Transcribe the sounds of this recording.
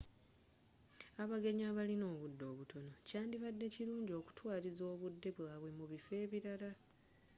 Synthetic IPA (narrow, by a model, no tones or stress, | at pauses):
aβaɡe̞ɲaːβalino̞ːβudːo̞ːβuto̞no̞caːndiβadːe̞ciɾuːɲɟo̞ːku̥twaːlizo̞ːβudːe̞βwaːβwemuβife̞ːβiɾala